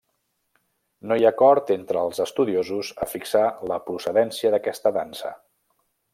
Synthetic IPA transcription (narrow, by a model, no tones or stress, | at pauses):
nojakɔɾt̪ent̪ɾəːlˠzəst̪uðiozuzəfiksaləpɾusəðɛnsiəðəkɛst̪əðansə̰